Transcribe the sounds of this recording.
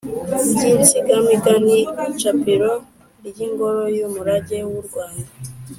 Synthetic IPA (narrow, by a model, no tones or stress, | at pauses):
ɟiɾsiɡamiɡanit͡ʃapiɾo | ɾjiŋɡoɾojumuɾaɟewuɾɡwaːnda